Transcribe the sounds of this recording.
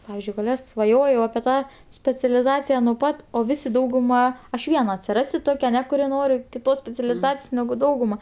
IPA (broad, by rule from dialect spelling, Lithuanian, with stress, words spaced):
ˈpɑːʋʲɪzʲd͡ʒʲʊɪ sʋɐˈjoːjɛʊ ɐpʲiɛ ˈtɑː sʲpʲɛt͡sʲɛlʲɪˈzɑːt͡sʲɪjɛ nuɔ ˈpɐt oː ˈʋʲɪsʲɪ dɐʊɡʊˈmɐ ɐʃ ˈʋʲiɛnɐ ɐtʲsʲɪˈrɑːsʲʊ ˈtoːkʲɛ ɐˈnʲɛ kʊˈrʲɪ ˈnoːrʲɪ kʲɪˈtoːs sʲpʲɛt͡sʲɛlʲɪˈzɑːt͡sʲɪjoːs nʲɛɡʊ ˈdɐʊɡʊmɐ